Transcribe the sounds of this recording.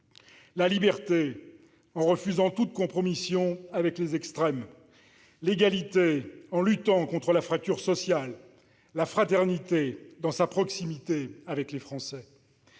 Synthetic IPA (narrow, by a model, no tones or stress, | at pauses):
lalibɛʁt̪e | ɑ̃ʁəfyzɑ̃t̪ut̪̚kɔ̃pχɔmisjɔ̃avɛklezɛkst̪χɛm | leɡalit̪eɑ̃lyt̪ɑ̃kɔ̃t̪χəlafχak̚t̪yʁsɔsjalː | afχat̪ɛʁnit̪ed̪ɑ̃sapχɔksimit̪eavɛklefχɑ̃sɛ